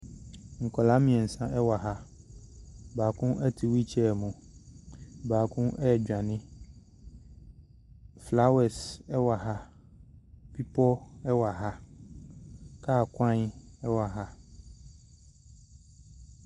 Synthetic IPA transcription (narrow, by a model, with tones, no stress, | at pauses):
ŋ̩˨kɔ˨la˦mĩ˨ɛ˨n̩˨sã˦ʔɛ˦wa˨ɦa˦ | baː˨kũ˦ɛ˦tʰi˨wi˦t͡ɕʰɛ˦˨mũ˨ | baː˨kũ˦ʔɛ˦ɛ˨d͡ʑᶣã˨nɪ̃˦ | fla˦wɛ˨sɛ˦wa˨ɦa˦ | pi˦pɔ˦ɛ˦wa˨ɦa˦ | kaː˦˨kʷã˦ɲ˦ɛ˦wa˨ɦa˦